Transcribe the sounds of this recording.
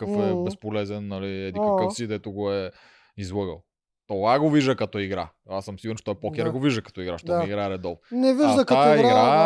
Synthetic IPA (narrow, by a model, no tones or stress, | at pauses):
kəfɛbɛspolɛzɛnːɐliɛd̪ikɐkəfsid̪ɛt̪ʊɡoɛ | izlˠɤɡə̰lˠ | t̪ovaɡoviʒəkɐt̪ɔiɡɾa̰ | asəmsiɡuɾnt͡ʃɛ̥t̪ɔjpɔk̟ɛɾɡoviʒdəkɐ̥t̪ɔiɡɾaʃt̪ɔiɡɾaɛɾɛd̪ɔlˠnɛviʒɐkaaiɡa